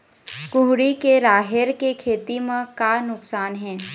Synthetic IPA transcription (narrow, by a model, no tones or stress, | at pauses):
kʊɦɽikeɾaːɦɪɾkekʰeːt̪imẽkanʊksaːnɦɛ̃ː